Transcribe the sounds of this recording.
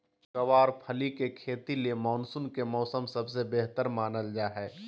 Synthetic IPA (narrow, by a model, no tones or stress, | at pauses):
kɐʋaːɾpʰəlikekʰeːt̪ilemɔːnsʊnkemɔːsəmsɐbsebeɦt̪əɾmaːnəld͡ʒaːɦɛː